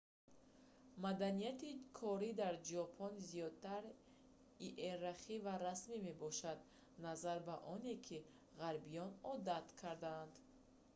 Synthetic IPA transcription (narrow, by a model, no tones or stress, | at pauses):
mad̪anijat̪ikʰɔɾid̪aɾd͡ʒɔpʰɔnzijɔd̪̚t̪ʰaɾ | iʔeɾaχivaɾasmime̞bɔʃad̪̚ | nazaɾbaʔɔne̞kʰi | ʁaɾbijɔnɔd̪at̪kʰaɾd̪aːnd̪